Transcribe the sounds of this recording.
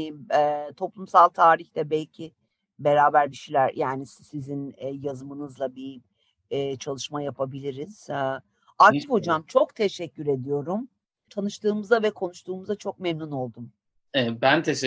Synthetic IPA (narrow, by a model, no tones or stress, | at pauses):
mɛːt̪ʰo̞plˠumsalˠt̪ʰaːɾiçt̪ɛbɛlʲcʰi | be̞ɾaːbæɾd̪iʃilʲæɾjʔaːnissizinːjazɯmɯnɯzlˠabi | t͡ʃʰalˠɯʃmajapʰabilʲiɾiz̥ | aɾk̪ʰifo̞d͡ʒamt͡ʃʰo̞kt̪ʰeʃɛcːyɾe̞d̪ijo̞ɾum | t̪ʰanɯʃt̪ʰɯːmɯzavɛkʰo̞nuʃt̪ʰuːmɯzat͡ʃʰo̞k̚mɛmnuno̞lˠd̪um | ɛɛbænt̪ʰeʃ